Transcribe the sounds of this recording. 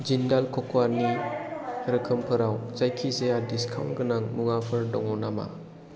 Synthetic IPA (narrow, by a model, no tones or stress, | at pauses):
d͡ʒindalkʰɔkwani | ɾɯkʰɯmpʰɯɾawzajkʰizejadiskʰawnɡɯnaŋmuŋapʰɯɾdɔ̰ŋɔnama̰